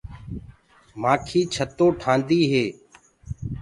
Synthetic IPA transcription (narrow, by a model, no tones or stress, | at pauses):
maːkʰiːt͡ʃʰət̪oːʈʰãːnd̪iːɦeː